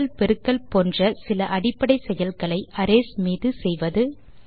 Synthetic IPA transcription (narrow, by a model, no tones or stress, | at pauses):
lpɛɾɯkːɐlpoːndrɐsɪlɐʔɐɽɪpːɐɽɐɪsɛjɐlɣɐɭɐɪʔɐɾeːsmiːðɯsɛjʋɐðɯ